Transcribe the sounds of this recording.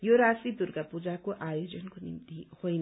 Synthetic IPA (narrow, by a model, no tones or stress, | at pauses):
joɾasid̪urɡapud͡zakoʔajod͡zʌnkonḭmt̪ihojn